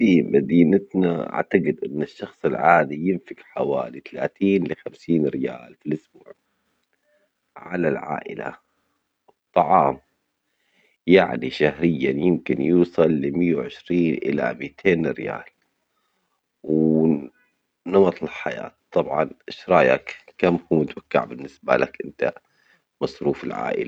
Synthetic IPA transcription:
fimad̪iːnat̪naʔa̰ʕt̪aɡɪd̪ʔɪnːaʃːɑxsˤɪlʕaːd̪ijɪnfɪkħawa̰ːlit̪ala̰ːt̪iːnlɪxamsiːnɾɪja̰ːlfilʔʊsbuːʕ | ʕalalʕa̰ːʔɪ̰la̰ | ɨt̪ˤːɑʕɑːm | jaʕniʃahɾɪjːanjɪmkɪnjuːsˤɑlːɪmɪjːawʕɪʃɾiːnʔɪ̰la̰miːt̪ʰeːnɾɪja̰ːl | w | nɑmɑt̪ˤlħaja̰ːt̪t̪ˤːɑbʕɑnʃɾˤɑːja̰kkamːhuːmɪt̪wakːa̰ʕbɪnːɪsba̰lakʔɪnt̪a | mɑsˤɾuːfɪlʕa̰ːʔɪ̰la

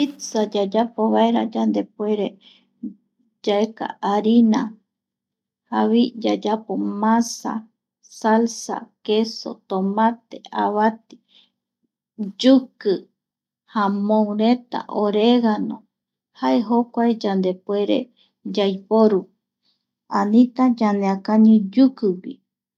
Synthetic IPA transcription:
isad͡ʒad͡ʒapoβaeɾad͡ʒand̪e̞pwe̞ɾe | d͡ʒaeka̰ʔaɾina | haβid͡ʒad͡ʒapomãsa̰ | salsa̰keso̞̰t̪omãt̪eaβat̪i̥ | d͡ʒukɨ | hamõuɾet̪a̰ʔoɾeɣanõ | haeɦokʷaed͡ʒand̪epweɾḛ | d͡ʒajpoɾu | anĩt̪ãd͡ʒaneakaɲũd͡ʒukɨwi

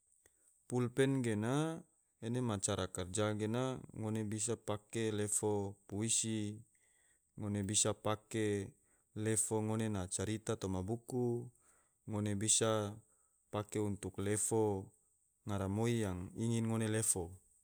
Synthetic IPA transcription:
pulpɛnɡena | enemat͡ʃaɾakard͡ʒaɡenaŋonebis̬apakelefopuisi | ŋonebisapake | lefoŋonenat͡ʃaɾit̪at̪omabuku | ŋonebisa | pakeunt̪uklefo | ŋaɾamoijaŋiŋinŋonelefo

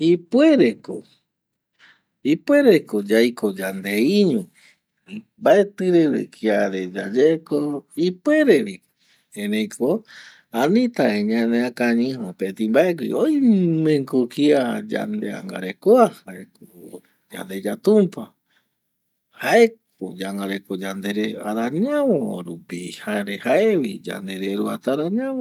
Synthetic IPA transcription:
ipweɾeko̰ | ipweɾekod͡ʒajkod͡ʒand̪eiɲũ | imbaet̪ɨɾeɾḛkʰiaɾed͡ʒad͡ʒekoipweɾeɾi | enẽjkʰo | anĩt̪aeɲãnẽakaɲĩhopet̪ĩmbaek̬ḭojmẽŋkukiad͡ʒa̰nd̪ea̰ŋɡa̰ɾekoahaeko | d͡ʒa̰nd̪e̞d͡ʒat̪ũmpa | haʔek̚ | o̰d͡ʒaŋɡaɾekod͡ʒand̪eɾeaɾaɲãʋõ̰ɾupihaɾehaeβid͡ʒa̰nd̪eɾeɾuat̪aɾaɲãmõ

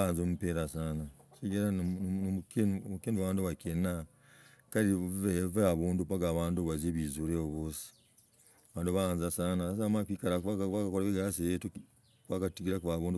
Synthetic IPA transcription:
aːnzomupeɾasanaseɟeɾa | knmukeːnduββaːnduβakena | kaɾieveaβuːndupaɡaβaːnduβazeβizuɾeoβosi̥ | aβaːnduβahaːnzasaːnaas̬amakiːkaɾakaakakoɾaβiɡasejetu | kwakatiɡiɾakuβaːβuːndu

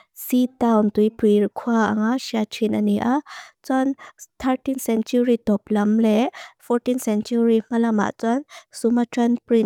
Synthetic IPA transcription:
sitawnt̪ujpɾikʰwaʔaŋaʃiatʰinaniʔat͡sant̪ʰaɾtinsɛnt͡ʃuɾitɔp̚lamlɛfʰɔɾtinsɛnt͡ʃuɾimalama̰ʔt͡sansumatʰanpɾin

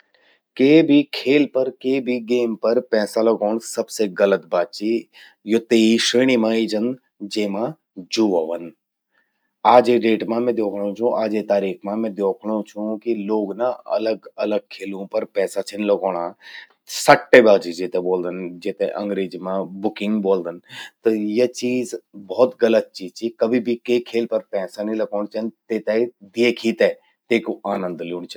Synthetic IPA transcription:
keːbʱikʰeːlpɐɾkeːbʱiɡeːmpɐɾpɛːsalɐɡoːɳ̃sɐbseɡɐlət̪̚baːt̪̚t͡ʃi | jot̪eːiʃeːɽ̃imãːid͡ʒən | d͡ʒeːmã | d͡ʒuːʋaːʋən | aːd͡ʒeɖeːʈmãmɛ̃d̪joːkʰɽ̃õt͡ʃʰũʔaːd͡ʒet̪aːɾiːkʰmãmɛ̃ːd̪joːkʰɽ̃õt͡ʃʰũkiloːɡnaɐ̰ləɡɐ̰ləɡ̚kʰːeːlũpɐɾpɛːsat͡ʃʰɐnlɐɡoːɽ̃a | sɐʈːebaːd͡ʒid͡ʒet̪ɛboːld̪ənd͡ʒet̪ɛʔɐ̃ŋɡɾeːd͡ʒmãbʊkɪ̃ŋɡboːld̪ənt̪ɐjɐt͡ʃiːzbɔːt̪ɡɐlət̪̚t͡ʃiːzt͡ʃʰikɐbʱibʱikekʰeːlpɐɾpɛːsanĩlɐɡoːɽ̃t͡ʃʰɐnt̪eːt̪ɛd̪eekʰit̪ɛ | t̪eːkoʔaːnə̃nd̪luːñt͡ʃʰ

